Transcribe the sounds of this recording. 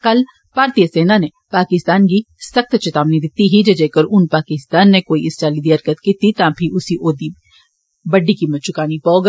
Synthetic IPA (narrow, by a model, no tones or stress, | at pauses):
kɐl | paːɾt̪ijəseːnane | paːkɪst̪aːnk̬i | sɐkt̪t͡ʃɐt̪aːmnid̪ɪt̪iɦid͡ʒɐd͡ʒeːkəɾʊnpaːkɪst̪aːnːekoːiɪsʈaːlid̪iəɾkət̪kiːt̪it̪ãːpʰiʔʊsiʔoːd̪i | bɐɖːikimɐt͡ʃʰʊkaːnipɔːɡ